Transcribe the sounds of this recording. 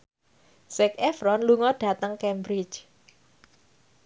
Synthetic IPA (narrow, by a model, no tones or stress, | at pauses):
sɛkɛfɾɔnluŋɔɖ̥ä̤t̪əŋkɛmbɾit͡ʃ